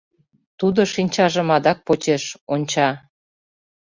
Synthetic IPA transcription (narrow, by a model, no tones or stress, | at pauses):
t̪ud̪oʃinʲt͡ɕɑʒəmɑd̪ɑk̚pot͡ɕeʃonʲt͡ɕɑ